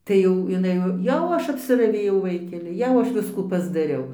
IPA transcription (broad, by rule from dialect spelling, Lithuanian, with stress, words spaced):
ˈtɐɪ jɛʊ ɪˈnɐɪ jɛʊ ˈɐʃ ɐpʲsʲɪrɐˈʋʲeːjɛʊ ˈʋɐɪkʲɛlʲɪ ˈjɛʊ ˈɐʃ ˈʋʲɪskuː pɐzdɐˈrʲɛʊ